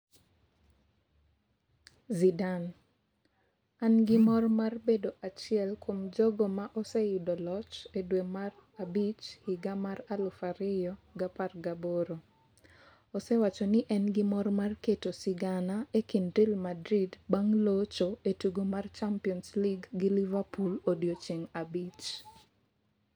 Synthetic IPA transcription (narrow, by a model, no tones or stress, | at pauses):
zidan | anɡɪmɔrmarbedoʔat͡ʃɪɛlkʰomd͡ʒɔɡɔmaʔɔsejʊdɔlɔt͡ʃedwemarabit͡ʃhiɡamaralʊfaɾɪjɔɡaparɡaboɾo | ɔsɛwat͡ʃɔnɪʔɛnɡɪmɔrmarketosɪɡanaekindilmadɾidbaŋlot͡ʃoetuɡomart͡ʃampiɔnsliɡːɪlivapʰulodjot͡ʃeŋabit͡ʃ